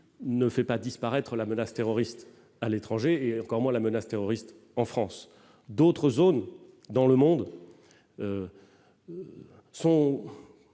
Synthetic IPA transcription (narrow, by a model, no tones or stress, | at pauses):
nəfɛpad̪ispaʁɛt̪χəlamənast̪eʁɔʁist̪ | alet̪χɑ̃ʒeːɑ̃kɔʁmwɛ̃lamənast̪eʁɔʁist̪ | ɑ̃fχɑ̃s | d̪ot̪χəzon | d̪ɑ̃ləmɔ̃d̪ | ø | sɔ̃